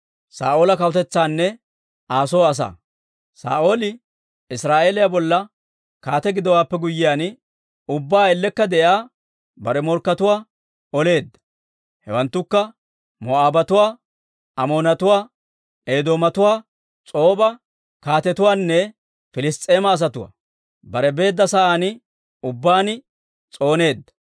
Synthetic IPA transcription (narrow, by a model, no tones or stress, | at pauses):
sa̰ːʔo̞ːlɐkɐwʊt̪ɛt͡sːaːnːɛ | aːsoːɐs̬a̰ː | sa̰ːʔo̞ːlɪ | ɪsɾaːʔeːlɪjabɔlːɐ | kaːt̪ɛɡɪd̪ɔwaːpːɛɡʊjːɪjaːn | ʊbːaːɛlːɛkːɐd̪ɛʔjaː | bɐɾɛmɔɾkːɐt̪ʊwaː | ɔle̞ːd̪ːɐ̥ | hɛ̰wɐnt̪ːʊkːɐ | mɔaːbɐt̪ʊwaː | ɐmo̞ːnɐt̪ʊwaː | eːd̪o̞ːmɐt̪ʊwaː | t͡sʼo̞ːbɐ | kaːt̪ɛt̪ʊwaːnːɛ | fɪlɪst̪ʼːeːmɐːs̬ɐt̪ʊwa̰ː | bɐɾɛbe̞ːd̪ːɐsɐʔaːnɪ | ʊbːaːnɪ | t͡sʼo̞ːne̞ːd̪ːɐ̥